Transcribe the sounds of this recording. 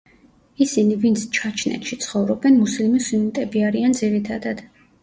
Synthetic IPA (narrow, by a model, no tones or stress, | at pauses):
isinivint̪sʰt͡ʃʰat͡ʃʰnɛ̰t̪ʃit̪sʰχɔvɾɔbɛnmuslimisunit̪ʼɛbiaɾiand̪ziɾit̪ʰad̪ad̪̥